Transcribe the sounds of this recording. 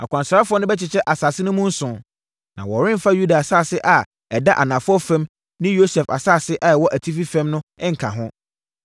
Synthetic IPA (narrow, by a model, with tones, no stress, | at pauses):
a̰˨kʷã˨nsɾa˦fʊ˦ɔ˦nʊ̃˦bɛ˦t͡ɕʰɪ˨t͡ɕʰɛ˦ʔa˨saː˨sɪ˦nʊ̃˦mʊ̃˦n̩˦sʊ̃˨ | nã̰˨wɔ˨ɾɪ̃˦m˦fa˦ju˦da˨a˨saː˦˨sɪ˦ʔa˨ | ɛ˨da˦ʔa̰˨nã˨fʊ˦ɔ˦fɛ̃˦m | nɪ̃˦jo˦sɛ˨fa̰˨saː˦˨sɪ˦ʔa˨ɛ˨wɔ˦ʔæ˨tʰi˦fi˦fɛ̃˦mnʊ̃˦ɪ̃˦ŋ̩˨kʰã̰˨ɦʊ̃˦